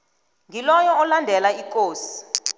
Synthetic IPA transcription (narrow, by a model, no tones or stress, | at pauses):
ŋɡʱilɔjɔɔlandʱɛlaikʼoːsi̥